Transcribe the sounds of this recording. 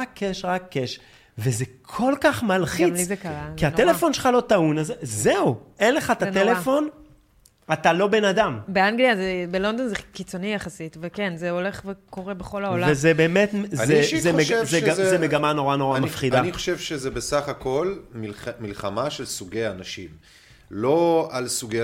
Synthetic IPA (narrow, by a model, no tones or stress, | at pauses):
akʰːeʃʁakʰːeʃ | ve̞zekʰo̞lkaχmalχimlzekʁaiat̪elefo̞nʃelχalo̞t̪aunazezeue̞nle̞χat̪atelefo̞n | at̪alo̞be̞nad̪ambeaŋɡliazebelo̞nd̪o̞nzekit͡sonijaχasit̪vekenzeo̞le̞χveko̞ʁebeχo̞laolvavezebeːmetzezeeʃzeazemeɡamano̞ʁano̞ʁamafχidaniχoʃevʃezebesaχako̞lmilmilχamaʃelsuɡejaːnaʃḭm | lo̞alsuɡe